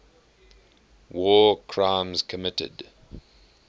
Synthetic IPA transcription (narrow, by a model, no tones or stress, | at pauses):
wɔːkʰɹ̥ãmzkʰəmɪtɪ̰d